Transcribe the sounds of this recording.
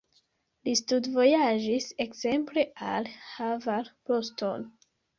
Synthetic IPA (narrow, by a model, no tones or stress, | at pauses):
listudvo̞jaʒise̞kze̞mple̞ʔa̰lhavalposto̞̰n